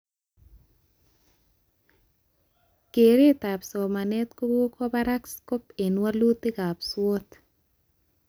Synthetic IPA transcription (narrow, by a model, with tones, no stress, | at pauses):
ke˨ɾe˦t̪a˨pso˨ma˨nɛ˦t̪ko˦bo˦kʰɔ˦baɾa˦ksko˦pe˨nwa˦lu˦t̪e˦ka˨pswo˦t̪